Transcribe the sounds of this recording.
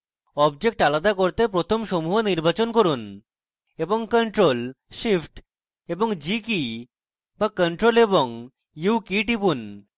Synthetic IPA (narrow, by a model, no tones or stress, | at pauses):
ɔbd͡ʑek̚ʈalad̪akoɾt̪epɾot̪ʰomʃomuɦoniɾbat͡ɕonkoɾun | eboŋkəɳʈɾol | ʃifʈ | eboŋd͡ʑiki | bakəɳʈɾoleboŋ | jukiʈipun